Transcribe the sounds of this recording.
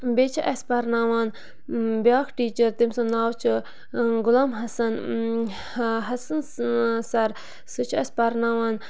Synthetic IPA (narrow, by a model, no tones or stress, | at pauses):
bet͡ʃʰaʔɐspɐɾnaːʋaːn | bjaːkʰʈiːt͡ʃɐɾt̪imsɐnnaːwt͡ʃʰ | ɡʊlaːmɦɐsɐn | ɦɐsɐnsɐɾ | sɨt͡ʃʰɐspɐɾnaːʋaːn